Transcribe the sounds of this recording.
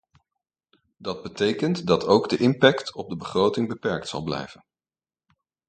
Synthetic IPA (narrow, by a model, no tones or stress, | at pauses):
dɑd̚bətejkəntdɑtʰowɡdəʔɪmpɛktʰɔb̚dəbəχrowtɪŋbəpɛɹk̚tsɑ̰lˠblɛ̰jv̥ən